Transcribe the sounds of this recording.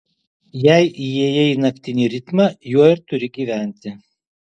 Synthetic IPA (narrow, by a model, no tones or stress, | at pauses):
jɛɪʔjiɛjɛiːnɐkʲt̪ʲɪnʲiɾʲɪt̪mɑjuɔɪɾt̪ʊɾʲɪɡʲiːʋʲæˑnʲˑt̪ʲɪ